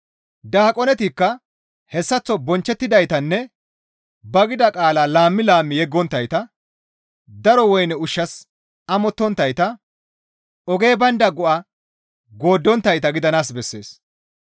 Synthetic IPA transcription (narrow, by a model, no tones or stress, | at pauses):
d̪aːkʼɔnɛt̪ikːɐ | hɛsːɐt͡sːɔbɔnt͡ʃːɛt̪ːɪd̪ɐjt̪ɐnːɛ | bɐɡɪd̪ɐkʼaːlaːlaːmːɪlaːmːɪjɛɡːɔnt̪ːɐjt̪ɐ | d̪ɐɾɔwɔjnɛʊʃːɐs | ɐmɔt̪ːɔnt̪ːɐjt̪ɐ | ɔɡe̞ːbɐnd̪ɐɡɔʔɐ | ɡo̞ːd̪ːɔnt̪ːɐjt̪ɐɡɪd̪ɐnaːsbɛsːe̞̰ːs